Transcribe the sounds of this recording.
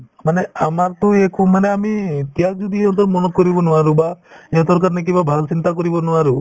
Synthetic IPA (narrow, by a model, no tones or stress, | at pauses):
maneamaɾt̪ɔekumaneamit̪jad͡ʒud̪ʱieɦɔ̃nt̪ɔɾmɔnɔkːɔɾibɔnɔaɾubaeɔ̃nt̪ɔɾkaɾnek̬ibabʱalt͡ʃint̪akɔɾibɔnɔaɾu